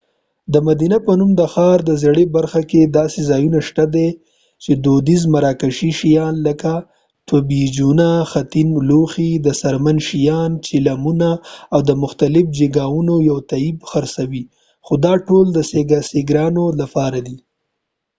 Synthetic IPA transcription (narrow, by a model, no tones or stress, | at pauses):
d̪əmad̪inapənumd̪əxɑɾd̪əzaɽebaɾxaked̪ɑsezɑjunaʃt̪ad̪e | t͡ʃed̪od̪izmaɾɑkaʃiʃijɑnləka | t̪obid͡ʒunaxat̪inloxid̪əsaɾmanʃijɑnt͡ʃɪlamunaːwd̪əmʊxt̪alɪfd͡ʒeɡaunojawt̪aibxaɾsawi | xod̪ɑʈold̪əseɡaseɡɾɑnolapɑɾad̪i